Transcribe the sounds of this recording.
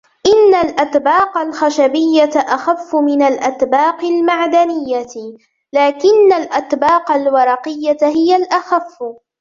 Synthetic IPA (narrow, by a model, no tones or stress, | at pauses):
ʔɪnːalʔat̪bɑːqalxaʃabɪjːat̪aʔaxafːʊmɪnalʔat̪bɑːqɪlmaʕd̪anɪjːa | laːkɪnːalʔat̪bɑːqɑlwɑɾˤɑqɪjːahɪjalʔaxafː